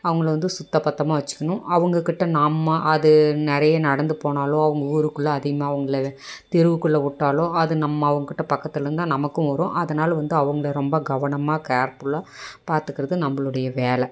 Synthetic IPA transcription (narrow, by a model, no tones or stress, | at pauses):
ɐʋɐŋɡɐɭʋɐnd̪ɯsʊt̪ːɐpɐt̪ːɐmaːʋɐt͡ʃːɯ̥kːɐɳʊ̃ɐʋɐŋɡɐkɪʈːɐnaːmːɐʔɐðɯnɛɾɐjɐnɐɽɐnd̪ɯpoːnaːlõːɐʋɐŋɡɐuːɾɯkːɯɭːɐːðɪɣɐmaːɐʋɐŋɡɐɭɐt̪ɪɾɯʋɯkːɯɭːɐʊʈːaːloːɐðɯnɐmːɐːʋɐŋɡɐkɪʈːɐpɐkːɐt̪ːɪlɾɯnd̪ãːnɐmɐkːɯ̃ʋɐɾõ̰ʔɐðɐnaːlɐʋɐnd̪ɯɐʋɐŋɡɐɭɐɾɔmbɐɡɐʋɐɳɐmaːkaːɾpɯɭaːpaːɾt̪ɯkːɪɾɐðɯnɐmːɐɭɯɽɐjɐʋeːlɛ